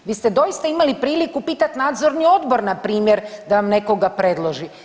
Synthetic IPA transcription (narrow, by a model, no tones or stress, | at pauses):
ʋiːst̪e̞d̪o̞ist̪aimalipɾiːlikupiːt̪at̪naːd̪zo̞ɾnio̞d̪bo̞ɾnapɾiːmjeɾd̪aʋamne̞ko̞ɡapɾe̞d̪lˠo̞ʒi